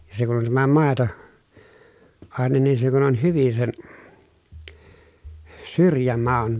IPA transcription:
jɑ se kun on tæmæ mɑˑeto ɑˑenen nin se kun on hyʋin sen syrjæmɑu̞n

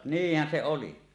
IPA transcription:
niːhːæn se oli

